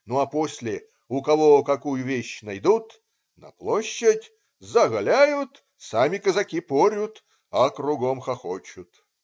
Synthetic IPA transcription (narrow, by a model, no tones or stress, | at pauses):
nuɐposʲlʲɪ | ʊkɐvokɐkujʊvʲeɕnɐjd̪ut̪ | nɐ̰plˠoɕːəɪtʲ | zɐɣɐlʲæjʊt̪ | samʲɪkəzɐkʲipoɾʲʊt̪ | ɐkɾʊɡomxɐxot͡ɕʊt̪